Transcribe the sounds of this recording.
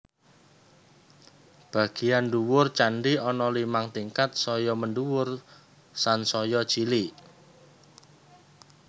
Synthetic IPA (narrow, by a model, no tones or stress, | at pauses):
b̥a̤ɡ̥ijanduwʊrt͡ʃaɳɖiɔnɔlimaŋt̪iŋkat̪̚sɔjɔməɳɖuwʊr | sansɔjɔ̥t͡ʃili